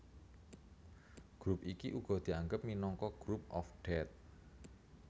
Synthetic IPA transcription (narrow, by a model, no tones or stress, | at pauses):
ɡ̥ɾupʔikiʔuɡ̥ɔ̤d̪̥i̤aŋɡəp̚minɔŋkɔɡ̥ɾup̚ʔɔfɖ̥ɛt̪̚